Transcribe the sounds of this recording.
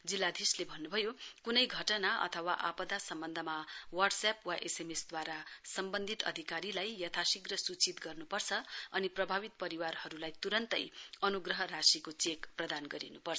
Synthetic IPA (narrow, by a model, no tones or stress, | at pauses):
d͡zilːad̪ʱislebʱʌnːubʱʌjokunʌjɡʱʌʈʌnaʔʌ̰t̪ʰʌwaʔapʌd̪asʌmbʌnd̪ʱʌmawarɖsapwaʔesemesd̪waɾasʌmbʌnd̪ʱit̪ʌ̰d̪ʱikaɾilajjʌt̪ʰasiɡrʌsut͡sit̪ɡʌrnupʌrt͡sʰʌʌniprʌbʱaβit̪̚pʌɾiwarhʌɾulajt̪uɾʌnt̪ʌ̰jʌnuɡrʌɦʌrasikot͡sekprʌd̪anɡʌɾḭnupʌrt͡sʰʌ